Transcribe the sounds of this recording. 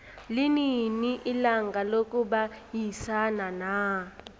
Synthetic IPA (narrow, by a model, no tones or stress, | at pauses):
lininiʔilaŋɡʱalokʼuɓajisanana